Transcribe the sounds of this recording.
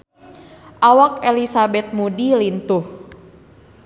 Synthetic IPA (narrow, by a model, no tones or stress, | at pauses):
ʔawakɛlisabɛt̪̚mudilint̪uh